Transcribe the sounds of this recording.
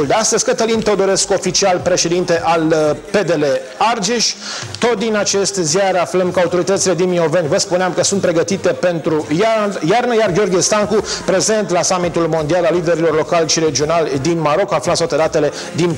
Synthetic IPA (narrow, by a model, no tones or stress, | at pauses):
ld̪east̪əzʲkət̪əlint̪od̪o̞ɾe̞sko̞fit͡ʃialpɾe̞ʃe̞d̪int̪e̞ʔalpe̞d̪e̞le̞ | ard͡ʒeʃt̪o̞t̪̚d̪inat͡ʃe̞st̪ziaɾafləmkəaut̪o̞ɾit̪ət̪sile̞d̪inmio̞venʲvəspuneamkəsunt̪pɾe̞ɡət̪it̪e̞pe̞nt̪ɾujjarnəjarɡʲeo̞rɡʲiest̪aŋkupɾe̞ze̞nt̪lasamit̪ulmo̞nd̪ialalːid̪e̞ɾilo̞rlo̞kalʲʃiɾe̞d͡ʒio̞nald̪inmaɾo̞kaflat̪t̪at̪ed̪at̪e̞le̞ | d̪in